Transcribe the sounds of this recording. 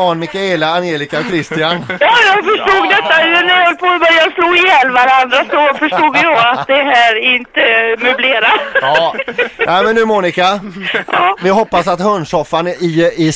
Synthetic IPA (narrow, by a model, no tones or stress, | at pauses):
ɑːnmɪkːaeːlaːnjeːlɪkakʰɾɪst̪ɪanjɑːjɑːɡfœʂʈuːɡd̪ɛt̪ːaɛnɛɾhɔlpʰobœɾjɑːsluːɡɪjɛlvaɾand̪ɾasɔfœʂʈuːɡjɔɡat̪̚d̪ɛɦæːɾɪnt̪əmɵbleːɾaː | nɛɪmɛnːʉ̟ːmuːnɪkaʔɑːvɪɦɔpːasat̪hɵnʂɔfːanɪɪ